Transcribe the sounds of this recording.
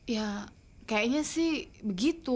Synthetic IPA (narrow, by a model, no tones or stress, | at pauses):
ja | kajaʔɲasɪhbəɡit̪u